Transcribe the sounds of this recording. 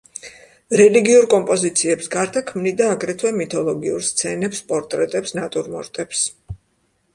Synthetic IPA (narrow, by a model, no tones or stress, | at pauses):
ɾɛliɡiuɾkʼɔmpʼɔzit̪sʰiɛpsɡaɾt̪ʰakʰmnid̪aːɡɾɛt̪ʰwɛmit̪ʰɔlˠɔɡiuɾst̪sʰɛnɛpspʼɔɾt̪ʼɾɛt̪ʼɛpsnat̪ʼuɾmɔ̰ɾt̪ʼɛps